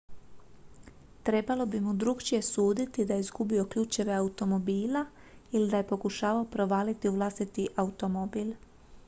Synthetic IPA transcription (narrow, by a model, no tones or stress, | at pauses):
t̪ɾe̞balo̞bimud̪ɾukt͡ʃije̞suːd̪it̪id̪ajeizɡubio̞kʎuːt͡ʃiʋeaut̪o̞mo̞biːla | ilid̪aje̞po̞kuʃaːʋaopɾo̞ʋaːlit̪iuʋlˠast̪it̪iʔaut̪o̞mobiːl